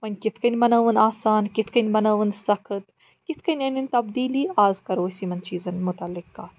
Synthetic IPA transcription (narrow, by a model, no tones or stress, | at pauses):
mɐnʲkɪt̪ʰkɐnʲmɐnɐːʋənaːsaːnkɪt̪ʰkɐnʲmɐnɐʋənsɐkʰɨt̪ | kɪt̪ʰkɐnʲɐnɐnʲt̪ɐbd̪iːliːaːzkɐɾoːsimɐnt͡ʃiːzɐnmʊt̪ɐlːɪkːaːt̪ʰ